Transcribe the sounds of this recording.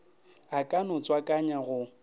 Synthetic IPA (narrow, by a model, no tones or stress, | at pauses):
akʼanʊt͡sʼwakʼaɲaɣʊ